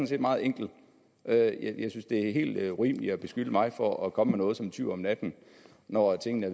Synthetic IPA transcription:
ɔnse̝̰ːd̥mɑ̈ːð̩ˠeŋ̰ɡ̥l̩̥ | ʔøjjɑ̈ɪsynsd̥e̝æɦe̝̰ːld̥ʁḭːmliɒb̥e̝sɡ̥yd̥əmɑ̈ɪfɒɒkʰɒ̽məmenɔ̽ːðˠsɒ̽met͡sʰy̰ɒ̽mnæd̥n̩ | nɒt͡sʰe̝ŋ̰nəæɐ

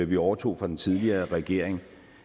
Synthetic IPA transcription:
ʋiɒʊɐt͡sʰo̝̰ːfʁɑ̈d̥ent͡sʰið̞ˠliɐːʁɛɡ̥e̝̰ɐ̰eŋ

